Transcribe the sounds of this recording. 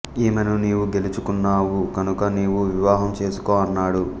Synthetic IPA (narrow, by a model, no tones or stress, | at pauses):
eːmenuniːwuɡe̞lut͡ʃukunːaːwukɐnukɐniːwuʋiʋaːɦɐmt͡ʃe̞ːsu̥koːɐnːaːɽu